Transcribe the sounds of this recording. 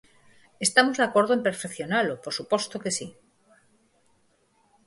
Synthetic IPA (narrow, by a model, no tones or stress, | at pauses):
e̞st̪amozðakwe̞ɾðoempeɾfekθjo̞nalopoɾsupo̞st̪oke̞si